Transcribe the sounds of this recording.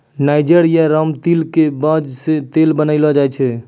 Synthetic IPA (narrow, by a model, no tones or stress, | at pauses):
najd͡ʒəɾijaɾəmt̪ilkebəd͡ʒsẽt̪elbənəɪlɔd͡ʒajt͡ʃʰɛ